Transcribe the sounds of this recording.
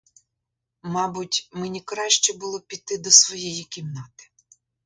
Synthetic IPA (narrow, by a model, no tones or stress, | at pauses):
mɑbʊtʲmenʲikɾɑʃt͡ʃɛbʊlˠɔpʲit̪ːɪd̪ɔsʋɔjɛjikʲimnɑt̪ɪ̥